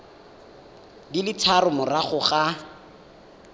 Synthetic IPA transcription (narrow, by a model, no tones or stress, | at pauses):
dilɪt͡sʰarʊmʊraχʊχa